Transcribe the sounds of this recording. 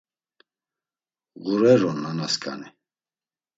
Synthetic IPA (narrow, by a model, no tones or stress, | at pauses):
ɣuɾɛɾɔnːanaskʼʰa̰ni